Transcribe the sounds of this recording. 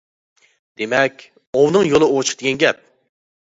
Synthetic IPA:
d̪̥emɛkʲ | ownɨŋjolˠɨot͡ʃʰɪ̥d̪ɪɡʲɛnɡʲɛp̚

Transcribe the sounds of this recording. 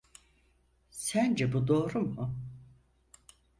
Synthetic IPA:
sænd͡ʒɛbud̪o̞ːɾumːʊ

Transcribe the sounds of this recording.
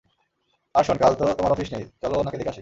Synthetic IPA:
aɾʃonkalt̪ot̪omaɾɔfiʃnejt̪ɔloonaked̪ekʰeaʃe

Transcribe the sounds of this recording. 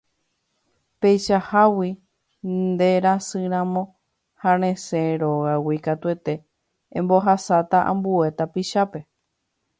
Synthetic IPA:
pe̞jʃahawi | nd̪e̞ɾasɨɾ̃ãmõ̞ | hãɾ̃ẽseɾoɣawikat̪ue̞t̪e̞ | ẽmbo̞ɦasat̪aʔã̰mbue̞t̪apiʃape̞

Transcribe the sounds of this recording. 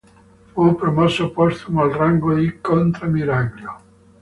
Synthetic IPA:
fupɾomɔsːopɔst̪uŋalraŋɡod̪ikont̪ɾamiɾakɾjo

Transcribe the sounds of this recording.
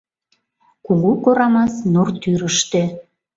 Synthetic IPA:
kuɣukoɾɑmɑsnort̪yɾəʃt̪ĕ

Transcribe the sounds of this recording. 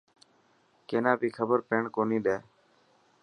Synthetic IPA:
keːnãːbiːkʰəbəɾpeːɳkoːniːɗ̪ɛː

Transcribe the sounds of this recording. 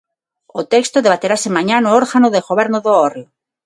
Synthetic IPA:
ʊt̪ɛkst̪oðeβat̪eɾasemaɲanoɔɾfanoðeɣoβɛɾnoðoɔrjo

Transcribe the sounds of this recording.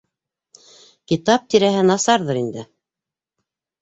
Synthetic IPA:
kit̪ɑp̚t̪iɾæɦɘnɑsɑɾðɤɾind̪ɘ

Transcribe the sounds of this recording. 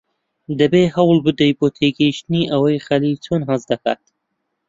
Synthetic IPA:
d̪ɐbeːɦɐwlbɨd̪ɐjboːt̪ʰeːɡɐjiʃt̪ɨniːʔɐwɐjxɐlit͡sʰonɦɐzd̪ɐkʰa̰ːt̪

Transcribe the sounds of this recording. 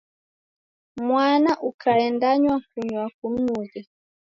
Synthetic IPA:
mwanaʔukʰaɛndaɲwaŋkuɲwak̚um̩ɲuzɛ

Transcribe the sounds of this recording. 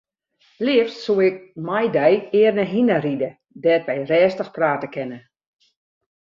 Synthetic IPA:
lɪəfssuɪk̚majdɛjɪːərnəɦinəridə | dɛːt̚bɛjrɛːstəxpraːtəkʰɛnə

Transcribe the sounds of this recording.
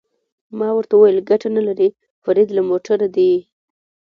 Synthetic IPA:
mɑwəɾt̪awajəlɡaʈanalaɾi | faɾɪd̪lamoʈʰaɾad̪i

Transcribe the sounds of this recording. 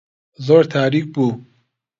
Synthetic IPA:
zoːɾt̪ʰaːɾik̚buː

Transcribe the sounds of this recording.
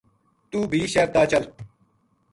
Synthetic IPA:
t̪uːbʱiːʃɛːɾt̪aːt͡ʃəl

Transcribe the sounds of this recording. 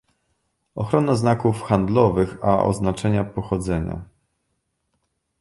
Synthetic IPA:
ɔxɾɔnaznakufxand̪lɔvɘxaʔɔ̰znat͡ʂɛɲapɔxɔd̪zɛɲa̰

